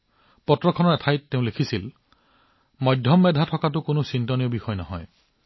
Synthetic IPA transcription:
pɔtɹɔkʰɔnɔɹɛtʰajtːeʊ̃lekʰisil | mɔjdʱjɔmːɛdʱatʰɔkat̬ʊkonusintɔnijɔbixɔjnɔɦɔ̰j

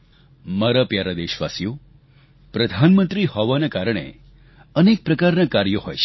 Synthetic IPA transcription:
maɾapjaɾad̪eʃʋa̰sjo | pɾəd̪ʱanmənt̪ɾihɔʋanakaɾəɳ̃ḛ | ənek̚pɾəkaɾnakaɾjəɦo̰jt͡ʃʰ

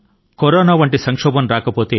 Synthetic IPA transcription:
koɾoːnaːʋɐɳʈisɐŋkʂɔːbɐmɾaːkɐpoːt̪eː

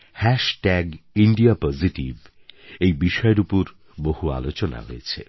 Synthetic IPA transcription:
hɛʃʈɛɡiɳɖiapɔziʈiv | ejbiʃɔeɾupoɾ | boɦua̰lot͡ɕona̰ɦojet͡ɕʰḛ

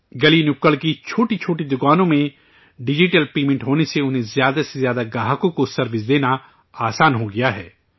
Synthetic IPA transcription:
ɡɐlinʊkəlkit͡ʃʰoːʈit͡ʃʰoːʈid̪ʊkaːnõmẽ | ɖɪd͡ʒɪʈəlpeːmɪ̃ɳʈɦoːneseʊnɦẽzjaːd̪asezjaːd̪aɡaːɦəkõkosɐɾbɪzd̪eːna | aːsaːnɦoɡɪjaɦɛ̰ː

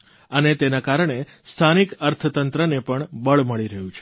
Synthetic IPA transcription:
ənet̪enakaɾɳ̃e | st̪ʰanikəɾt̪ʰət̪ənt̪ɾənepəɳbəɭməɭiɾəɦũt͡ʃʰe

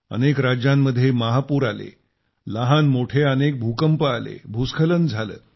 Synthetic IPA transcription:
ə̰nekɾad͡ʑjamːəd̪ʱːjeməɦapuːɾalḛ | ləɦanmoʈʰeənek̚bʱukəmpəalḛbʱuskʰələnd͡zʱalə̰ː

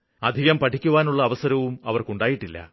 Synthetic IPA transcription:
ɐd̪ʱiɣɐmpɐʈʰikʲːuʋaːnuɭːɐːʋɐsɐɾɐʋumɐʋɐrkuɳɖaːjiʈːilːɐ̰

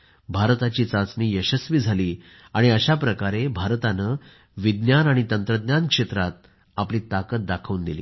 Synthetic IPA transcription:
bʱaɾt̪at͡ɕiːt͡sãt͡sniːjəɕəsʋiːd͡zʱaliː | aɽ̃iəɕapɾəkaɾebʱaɾt̪anə | ʋid̪njanaɽ̃it̪ənt̪ɾəd̪jankʂet̪ɾat̪̚ | apliːt̪akət̪̚d̪akʰəʋund̪ilḭː

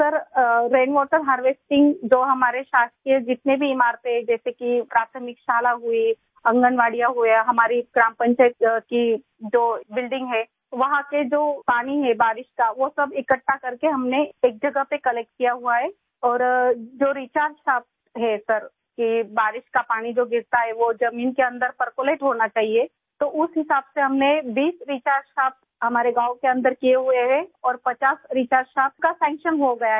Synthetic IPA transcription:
sɐɾɾeːnʋɔːʈəɾɦaːɾʋeːsʈɪ̃ŋɡd͡ʒoːɦɐmaːɾeʃaːst̪iɦed͡ʒɪt̪nebʱiːmaːɾped͡ʒɛːsekipɾaːt̪ʰəmɪkʃaːlaɦʊi | ɐ̃ŋɡənʋaːɽijaɦuaɦɐmaːɾiɡɾaːmpə̃ɲt͡ʃaɪt̪ki | d͡ʒoːbɪlɖɪ̃ŋɡɦɛː | ʋɐɦãked͡ʒoːpaːniɦɛbaːɾɪʃkaʋosɐbɪkəʈːakɐɾkeɦɐmneeːk̚d͡ʒɐɡəɦpekɐlɛk̚ʈ̚kijaɦuaɦɛ | ɔːɾd͡ʒoːɾiːt͡ʃaːɾʃaːp̚ | ɦɛsɐɾ | kibaːɾɪʃkapaːñid͡ʒoːɡɪɾt̪aɦɛʋod͡ʒɐmiːnkeɐ̃nd̪əɾpəɾkoleːʈɦoːnat͡ʃaːɦie | t̪oʔʊsɦɪsaːbseɦɐmnebiːsɾiːt͡ʃaːɾʃaːp | ɦɐmaːɾeɡaːwkeɐ̃nd̪əɾkijeɦueɦɛ̃ɔːɾpɐt͡ʃaːsɾiːt͡ʃaːɾʃaːp̚kasɛ̃ːŋkʃənɦoɡɐjaɦ

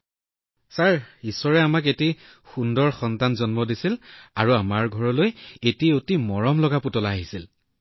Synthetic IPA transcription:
saɹisɔɹɛamaketi | xundɔɹxɔntanzɔnmɔdisilaɹuamaɹɡʱɔɹɔlojetiotimɔɹɔmlɔɡaputɔlaːɦisil

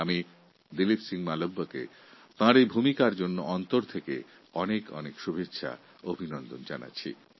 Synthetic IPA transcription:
ami | d̪ilipsiŋmalobːokḛ | t̪ãɾejbʱumikaɾd͡ʑonːoɔnt̪oɾt̪ʰekḛ | ɔnekɔ̰nekʃubʱetːɕʰa̰ | obʱinɔnd̪ond͡ʑana̰ːt͡ɕʰḭ

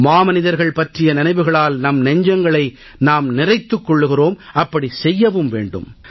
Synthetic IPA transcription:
maːmɐnɪðɐɾɣɐɭpɐʈrɪjɐnɪnɐɪʋɯɣɐɭaːlnɐmnɛɲd͡ʒɐŋɡɐɭɐɪ | naːmnɪrɐɪt̪ːɯkːɔɭːɯɣɪroːmʔɐpːɐɽisɛjːɐʋɯmʋḛːɳɖɯ̰m

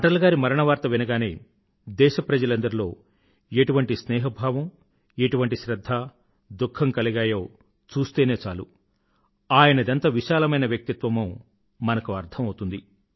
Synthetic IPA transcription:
ɐʈɐlɐɡaːɾimɐɾɐɳɐʋaːɾt̪ɐʋinɐɡaːneː | d̪ɛːʃɐpɾɐd͡ʒɐlɐnd̪ɐɾilo̞ː | eʈuʋɐɳʈisnɛːɦɐbʱaːʋɐm | eʈuʋɐɳʈiʃɾɐd̪ʱːaː | d̪ukʰːɐmkɐliɡaːjoː | t͡ʃuːst̪e̞ːne̞ːt͡ʃaːlu | aːjɐnɐd̪ɐnt̪ɐʋiʃaːlɐmɐjnɐʋjɐk̚t̪it̪ʋɐmuː | mɐnɐkuɐɾt̪ʰɐmɐwt̪und̪i

